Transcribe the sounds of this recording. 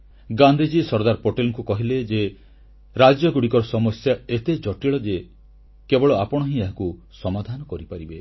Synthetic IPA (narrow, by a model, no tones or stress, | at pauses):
ɡand̪ʱid͡ʒisɔɾd̪aɾpoʈelŋkukɔɦiled͡ʒe | ɾad͡ʒjɔɡuɽikɔɾɔsɔmɔsjaet̪ed͡ʒɔʈiɭɔd͡ʒe | kebɔɭɔapɔɽ̃ɔɦĩaɦaku | sɔmad̪ʱanɔkɔɾipaɾibe